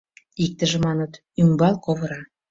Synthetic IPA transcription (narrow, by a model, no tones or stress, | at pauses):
ik̚t̪əʒĕmɑnət̪ | yŋbɑlˠkoβɤ̆ɾɑ